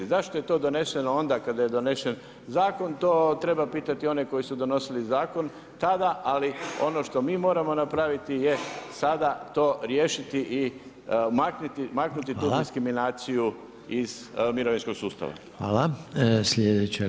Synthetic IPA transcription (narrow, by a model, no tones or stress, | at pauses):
zaʃt̪o̞je̞t̪o̞ːd̪o̞ne̞se̞noo̞nd̪akad̪aje̞d̪o̞ne̞ʃe̞n | zaːko̞nt̪o̞ːt̪ɾe̞bapiːt̪at̪io̞neko̞jisud̪o̞no̞silizaːko̞n | t̪ad̪aʔalio̞no̞ʃt̪o̞miːmo̞ːɾamo̞napɾaʋit̪ijesad̪at̪o̞ːɾje̞ːʃit̪iʔi | maknut̪imaknut̪it̪uːd̪iskɾiminaːt̪siju | izmiɾoʋinsko̞ɡsuːst̪a̰ʋa̰ | ʋa̰ːlasled̪et͡ɕe